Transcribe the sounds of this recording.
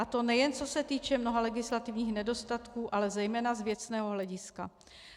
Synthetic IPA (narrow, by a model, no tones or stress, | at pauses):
at̪o̞nɛjɛnt͡so̞sɛt̪iːt͡ʃɛmno̞ɦalɛɡɪslat̪ɪvɲiːxnɛdo̞st̪at̪kuːʔalɛzɛjmɛːnazvjɛt͡snɛːɦo̞ɦlɛɟɪska